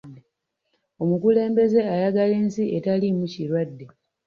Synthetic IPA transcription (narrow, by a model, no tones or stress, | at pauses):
e | o̞mukule̞ːmbe̞ze̞ajaɡale̞ːnsiʔetalimuciɾwadːe̞